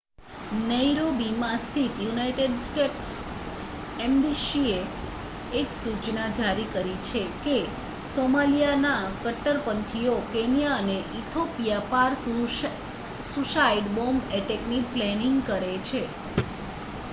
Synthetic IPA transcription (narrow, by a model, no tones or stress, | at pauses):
nəjɾobimãst̪ʰit̪junaiʈeɖsʈeʈs | embisieː | ksut͡ʃnad͡ʒaɾikəɾit͡ʃʰeke | somalijanakəʈːəɾpənt̪ʰijokenijaəneʔit̪ʰopijapaɾ | suʃajɖbombeʈekniplɛniŋɡkəɾet͡ʃʰe